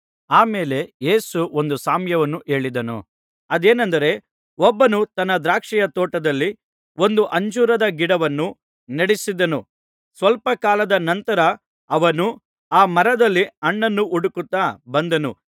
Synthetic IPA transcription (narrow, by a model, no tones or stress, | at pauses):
aːme̞ːle̞je̞ːsuo̞nd̪usaːmjɐʋɐnːuʔe̞ːɭid̪ɐnṵ | ɐd̪e̞ːnɐnd̪ɐɾe̞ | ɔbːɐnut̪ɐnːɐd̪ɾaːkʂɛjɐt̪ɔːʈɐd̪ɐlːi | ʔo̞nd̪uʔɐɲd͡ʒuːɾɐd̪ɐɡiɽɐʋɐnːu | nɐɽisid̪ɐnu | sʋɐlpɐkaːlɐd̪ɐnɐnt̪ɐɾɐː | ʋɐnu | aːmɐɾɐd̪ɐlːiɐɳːɐnːuʔuɽukut̪ːaːbɐnd̪ɐnṵ